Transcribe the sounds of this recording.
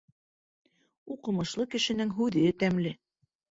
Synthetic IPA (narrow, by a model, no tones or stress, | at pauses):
uqɤ̆mɤ̆ʃlˠɤkɘ̆ʃɘ̆nɘŋɦʉðɘt̪æmlɘ